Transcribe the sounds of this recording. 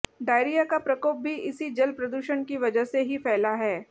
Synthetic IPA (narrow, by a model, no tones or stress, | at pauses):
ɖaːɪɾijakapɾɐkoːp̚bʱiʔɪsid͡ʒɐlpɾɐd̪uːʃənkiʋɐd͡ʒəɦseɦifɛːlaɦɛː